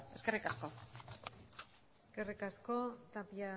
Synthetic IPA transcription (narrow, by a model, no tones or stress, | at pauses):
e̞ske̞rikasko̞ | eske̞rikasko̞t̪apia